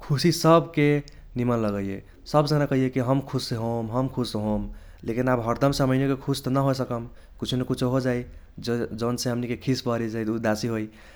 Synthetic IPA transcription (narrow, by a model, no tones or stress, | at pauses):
kʰusisəbʱke | nimənləɡəḛ | səbd͡ʒənakəɦijekiɦəmkʰusɦomɦəmkʰusɦom | lʔekinabɦəɾd̪əmsaməjnekekʰust̪nəɦosəkəm | kit͡ʃʰunekut͡ʃʰoɦod͡ʒaj | d͡ʒd͡ʒonsẽɦəmnikekʰisbəɾid͡ʒajt̪ud̪asiɦoj